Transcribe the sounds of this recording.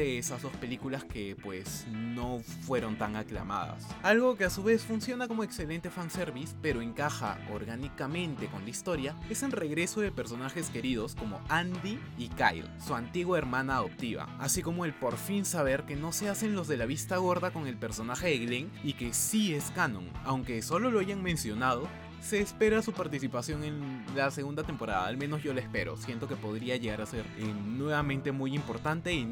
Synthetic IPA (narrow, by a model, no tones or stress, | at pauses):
eesazðo̞spe̞likulaske̞pwe̞̰sno̞fwe̞ɾo̞nt̪aŋakla̰ma̰ða̰salɣo̞ke̞asuβe̞sfunsjo̞nako̞moe̞kse̞le̞nt̪e̞fanse̞ɾβispe̞ɾo̞e̞ŋkaxa̰o̞̰ɾɣanikamẽ̞nt̪e̞ko̞nlaist̪o̞ɾjae̞senre̞ɣɾe̞soðepe̞ɾso̞naxe̞ske̞ɾiðo̞sko̞mo̞̰and̪iː | ka̰jlsuant̪iɣwoeɾmãnaðo̞p̚t̪iβa̰asiko̞mo̞e̞lpo̞ɾfinsaβe̞ɾke̞no̞se̞ase̞nlo̞zðe̞laβist̪aɣ̞o̞ɾðako̞ŋe̞lpe̞ɾso̞naxe̞ðeɣleŋ | ike̞sieskanõ̞̰ŋawŋke̞so̞lo̞loaʝaŋmẽ̞nsjo̞nað̞o̞ | se̞ːspe̞ɾasupaɾt̪isipasjo̞ŋe̞nlase̞ɣund̪at̪e̞mpo̞ɾa̰ða̰ːlmẽ̞no̞zʝo̞laespe̞̰ɾo̞̰sje̞nt̪o̞ke̞po̞ðɾiaʝe̞ɣaɾase̞ɾenwe̞β̞amẽ̞nt̪e̞mujimpo̞ɾt̪ant̪e̞i